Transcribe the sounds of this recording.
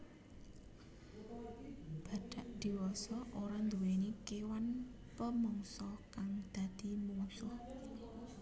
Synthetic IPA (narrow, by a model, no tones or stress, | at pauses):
b̥ä̤ɖ̥a̤ʔd̪̥i̤wɔsɔʔoɾand̪uwenikewan | pəmɔŋsɔkaŋd̪̥ä̤d̪̥i̤musʊh